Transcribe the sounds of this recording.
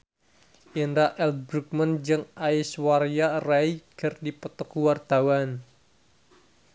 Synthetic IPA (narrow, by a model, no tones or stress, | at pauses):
ʔinɾaʔɛlbɾuk̚mənd͡ʒɨŋaiswaɾjaraiɡərdipət̪ɔkuwart̪awan